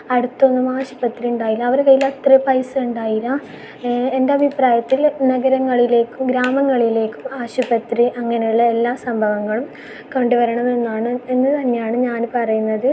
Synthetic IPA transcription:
ɐɽut̪ːo̞nːumaːɕubɐt̪riuɳɖaːjilɐːɐʋɐɾkɐjilɐt̪rɐpɐjsɨuɳɖaːjilɐ | e̞ndeɐbʱipraːjɐt̪ːilnɐɡɐɾɐŋːɐɭile̞ːkːumɡɾaːmɐŋːɐɭile̞ːkːumaːɕubɐt̪riʔɐŋːɐne̞juɭːɐe̞lːaːsɐmbʱɐʋɐŋːɐɭum | koɳɖuʋɐɾɐɳɐme̞nːaːɳɨe̞nːɨt̪ɐnːejaːɳɨɲaːnpɐrɐjunːɐðɨ

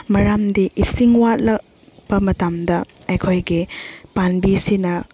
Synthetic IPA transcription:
mɐɾamdiʔisiŋwat̚lɐk̚ | b̥ɐmɐtamdɐɐjkʰojɡipanbisinɐ

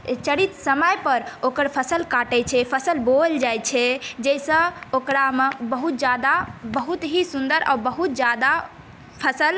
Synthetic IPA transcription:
t͡ʃəɽit̪səməjpəɾokəɾpʰəsəlkaʈɛt͡ʃʰɛpʰəsəlbold͡ʒajt͡ʃʰɛd͡ʒɛjsə̃okɾamebəɦut̪̚d͡ʒad̪abəɦut̪ɦisund̪əɾʔa̰bəɦut̪̚d͡ʒad̪a | pʰəsəl

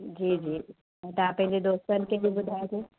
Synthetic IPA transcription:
d͡ʒiːd͡ʒiː | ɛ̃t̪apɐ̃ɦɪ̃ɲd͡ʑed̪oːst̪ənkebʱibʊd̪ʱaːet̪ʰeː

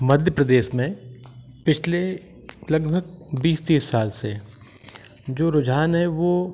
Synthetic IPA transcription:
mɐd̪ʱjəpɾəd̪eːʃmẽ | pɪt͡ʃʰle | lɐɡbʱəɡ̚biːst̪iːsːaːlse | d͡ʒoːɾʊd͡ʒaːnɦɛʋo

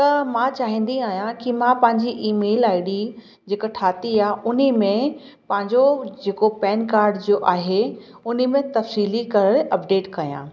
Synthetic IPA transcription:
t̪ɐmãt͡ɕaːɦĩːn̆d̪iaːɦjãkimãpɐ̃ɦɪɲd͡ʑiʔiːmeːlaːɪɽi | d͡ʑeːkəʈʰaːt̪iaːɦʊnimẽ | pɐ̃ɦɪ̃ɲd͡ʑod͡ʑeːkopɛːnkaːɾɖd͡ʑoːʔaːɦe | ʊnimẽt̪ɐfsiːlikɐɾəɾɐpɖeːʈkɐjã̰ː

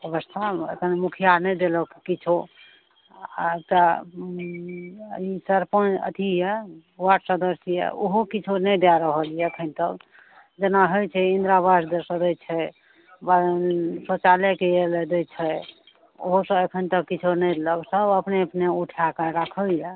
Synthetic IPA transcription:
əbəst̪ʰaḛkʰənmukʰijanɛd̪eləkikit͡ʃʰo | ka | isəɾpənə̰t̪ʰijɛwaʈsəd̪əsijɛ̰oɦokit͡ʃʰonɛjd̪aɾəɦəlijɛəkʰənt̪ək | d͡ʒenaɦojt͡ʃʰɛind̪ɾabasd̪esəd̪əjt͡ʃʰɛ | baɾnsot͡ʃalekeeled̪əjt͡ʃʰɛ | o̰ɦosə̃ekʰənt̪əkkːit͡ʃʰonəjləɡsəbəpneəpneuʈʰakeɾakʰəljɛ

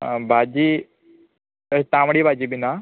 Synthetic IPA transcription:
bʱad͡ʑiː | əit̪ãʋɽiːbʱad͡ʑiːbina

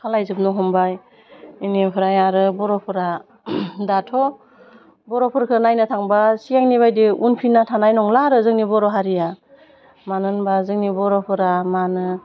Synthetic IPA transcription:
kʰalajzɯp̚nɔɦɔmbaj | inempʰɯɾajaɾɯbɔɾɔpʰɯɾa | datʰɔ | bɔɾɔpʰɯɾkʰɯnajnɯtʰaŋbasijaŋniβajdiunpʰinatʰanajnɔŋlaɾɯzɯŋnibɔɾɔɦaɾija | manɯnbazɯŋnibɔɾɔpʰɯɾamanɯ

